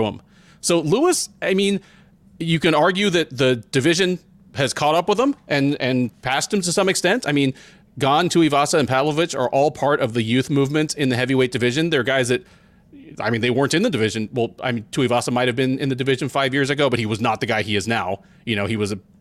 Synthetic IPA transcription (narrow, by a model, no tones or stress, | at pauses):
ə̰̃m | soʊluəsaɪmĩn | jɨkɨ̃nɑɹɡjʉðɨt̪̚ðɨd̥ɨvɪʒɨ̃n | ɨz̥kʰɔɾʌpwəðə̃mʔɨ̃nɨ̃npʰæst̚ɨ̃m̩tɨsʌ̃mɨkstɛ̃ntaɪmĩn | ɡɑ̃ntʰʉivɑsəɨ̃npʰælˠəvɨt͡ʃə̰˞ʔɔlˠpʰɑɹɾʌvðɨjʉθmuvmɨ̃ntsɨ̃nðɨɦɛviweɪt̚d̥ɨvɪʒɨ̃nðə˞ɡaɪzðɨt̚ | a̰ɪmĩnðeɪwɜ̃˞ntɨ̃nðɨdɨvɪʒɨ̃nwɛlˠa̰ɪmĩntʰʉivɑsəmaɪt̚hɨvbɨ̃nɨ̃nðɨdɨvɪʒɨ̃nfaɪvjɪɹzɨɡoʊbʌt̚hiwʌznət̪̚ðɨɡaɪiɨznaʊ | jɨnoʊiwʌzɨ